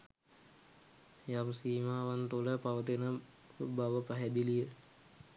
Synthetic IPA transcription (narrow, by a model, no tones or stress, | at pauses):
jamsiːmaːʋant̪uləpaʋət̪enə | baʋəpaɦɛd̪ilijə